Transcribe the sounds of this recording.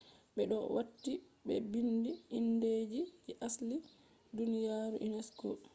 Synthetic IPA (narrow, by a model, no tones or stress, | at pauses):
ɓɛɗɔ̰watːibɛbindiːnːdeːd͡ʒid͡ʒɛʔasli | dunijaɾuʔinɛskɔ